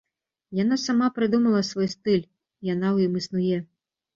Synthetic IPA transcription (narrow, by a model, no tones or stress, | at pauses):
janasamapɾɨd̪umɐlˠɐsvɔjst̪ɨlʲ | jan̪awjimisnujɛ